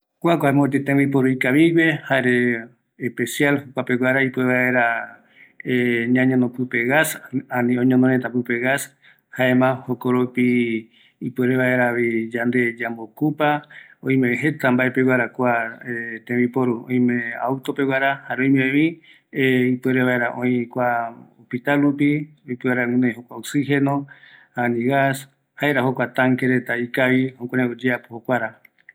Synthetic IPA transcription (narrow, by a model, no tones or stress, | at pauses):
kʷakʷaemãot̪et̪ẽβip̬oɾuikaβiwe̞haɾe | ehpesjalhokʷapewaɾaipueβaeɾa | eɲãɲõnõpɨpe̞ɣasanĩõɲõnd̪onet̪apɨpeɣas | haemãhokoɾopi | ipeɾeβaeɾaβid͡ʒand̪e̞d͡ʒambokupaõĩmẽɦet̪ambaepewaɾakʷaet̪ẽβipoɾuõ̰ĩmẽa̰wt̪opewaɾahaɾoĩmẽĩ | ipɨeɾeβaeɾaʔõĩkʷaopit̪alɾupipɨaɾaŋũnẽɦokʷaoksihenõ | anĩɣas | haeɾahokʷat̪ãŋkeɾet̪aikaβihokʷãɾeod͡ʒeapo̥hokʷaɾa